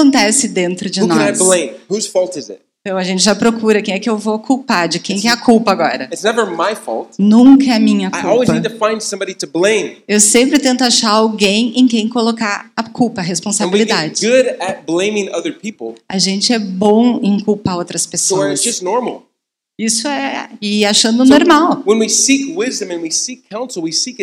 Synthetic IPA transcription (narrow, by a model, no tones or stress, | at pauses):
õnt̪ɛsɪd̪ẽnt̪ɾʊd͡ʒɪnɔaɪblẽɪ̃mhuz̥fɔlˠtɨzɪ̰t̚ | t̪ɐ̃w̃ɐʒẽnt͡ʃɪʒapɾokuɾɐkẽj̃ɛkɪewvokuwpad͡ʒɪkẽj̃kɛɐkʰuwpɐaɡɔ̰ɾɐɨtsnɛvə˞maɪfɔ̰lˠtnũŋkɐɛɐmĩɲɐkauɔlˠwizpɐidtɨfãɪ̃nd̥sʌ̃mbɑɾiɾɨblẽɪ̃mewsẽmpɾɪt̪ẽnt̪ʊaʃaɾawɡẽj̃ẽj̃kẽj̃kolokaɾɐkuwpɐːɦespõsãbiiliɡd̪ad͡ʒɪɡʊɾɨt̚b̥lẽɪ̃mɪ̃ŋʌðə˞pʰipl̩ˠɐʒẽnt͡ʃɪɛbõw̃ẽkuwpaɾowt̪ɾɐspesosdd͡ʒ̥ʌsnɔɹml̩ˠ | isʊɛɪaʃɐ̃nd̪ʊnoɾmawwə̃nwisikwɪzdɨ̃mɨ̃nwisikʰːãʊ̃nsl̩ˠwisik